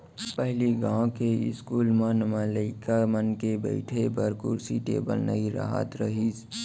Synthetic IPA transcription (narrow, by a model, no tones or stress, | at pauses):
pəɦliɡãkeɪ̰skuːlmãnmələikamənkebə̰ɪʈʰebəɾkuɾsiʈḛːbəlnəiɾə̰ɦa̰t̪ɾəɦis